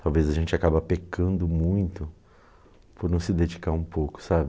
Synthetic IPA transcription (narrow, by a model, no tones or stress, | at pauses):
t̪awvezɐʒẽnt͡ʃɪakabɐpekɐ̃nd̪ʊmũj̃t̪ʊ | pʊɾnɐ̃w̃sɪd̪ed͡ʒikaɾũpowkʊ̥sabɪ